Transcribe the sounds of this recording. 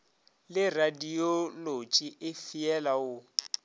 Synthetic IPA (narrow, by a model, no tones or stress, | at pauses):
lɪradiolot͡ʃʼiʔɪfiɛlaʊ